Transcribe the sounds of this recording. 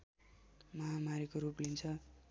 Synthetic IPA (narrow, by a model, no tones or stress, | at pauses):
mʌɦamaɾikoɾuplint͡sʰʌ